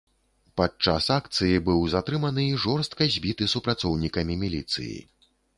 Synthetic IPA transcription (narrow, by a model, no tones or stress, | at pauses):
pat͡ʂasak̚t̪sɨjibɨwzat̪ɾɨmɐnɨiʐɔrst̪̚kɐzʲbʲit̪ɨsupɾat̪sɔwnʲikɐmʲimʲilʲit̪sɨ̰jḭ